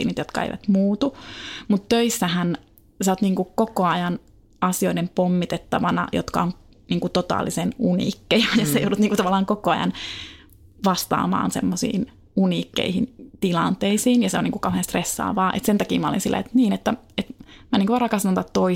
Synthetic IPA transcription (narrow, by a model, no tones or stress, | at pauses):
ḭːnit̪jot̪kɑḛiʋæ̰t̪muːt̪umut̪tøisːæhæn | sɑot̪niːŋkukokoɑjɑn | ɑsijoidempomːit̪et̪ːɑʋɑnɑ̰jo̰t̪kɑ̰oŋ | niːŋkut̪ot̪ɑ̰ːlːisenunḭkːejɑjɑsejo̰udut̪niːŋkut̪ɑʋɑlːˑɑːŋkokoɑjɑ̰n | ʋɑst̪ɑ̰ːmɑ̰ːnsḛmːosḭːn | uniːkːḛihint̪ilɑnt̪eisiːnjɑseoniːŋkukɑuhenst̪resːɑ̰ːʋɑːʔḛt̪sent̪ɑkḭːmɑo̰lḭnsilːæ̰ḛt̪niːnet̪ːæ | et̪mæniːkuʋɑrɑkɑst̪ɑnt̪ɑt̪t̪oi